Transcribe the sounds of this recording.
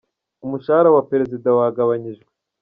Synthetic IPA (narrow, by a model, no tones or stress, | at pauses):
umuʃaaɾawape̞ɾe̞zidawaɡaβaɲiʒɡwe